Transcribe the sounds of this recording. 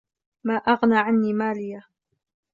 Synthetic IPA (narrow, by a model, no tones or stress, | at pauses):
maːʔaɣnaːʕanːiːmaːlɪja